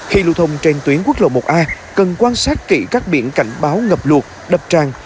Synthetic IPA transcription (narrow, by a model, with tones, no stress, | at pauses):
xi˧lṵ˧˨wt̪ʰə˧wŋ͡mt͡ɕe˧nt̪wi˨˦ənkwu˦˥ək̚lo̰˧˨˩mo˨˩t̚ʔaː˧ | kə˨˩nkwaː˧nsaː˦˥t̚kḭ˧˩kaː˦˥k̚ɓḭ˧˩ənka˧˩jŋ̟ɓaː˨˦wŋə˨˩p̚lu˨˩ək̚ɗə˨˩p̚t͡ɕaː˧˩ŋ